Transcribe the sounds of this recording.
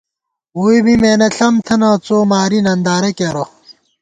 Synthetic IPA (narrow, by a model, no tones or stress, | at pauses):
uibimeːnɐɬɐmt̪ʰɐnɐːt͡soːmaːɾinɐnd̪aːɾekeɾo